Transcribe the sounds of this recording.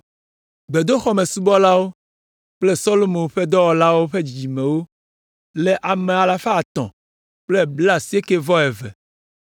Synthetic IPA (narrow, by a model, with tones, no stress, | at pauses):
ɡ͡be˨d̪o˦xɔ˦mẽ˨su˦bɔ˦la˦wo˦ | k͡ple˦sɔ˦lo˦mõ˨˦ɸe˦d̪ɔ˦wɔ˨la˦wo˦ɸe˦d͡ʑd͡ʑi˨mẽ˨wo˦ | lɛ˦ʔa˨mẽ˨a˨la˨fa˦a˨t̪ɔ̰̃˨ | k͡ple˦bla˦˨si˦e˦ke˦vɔ˦ɛ˨vɛ̰˨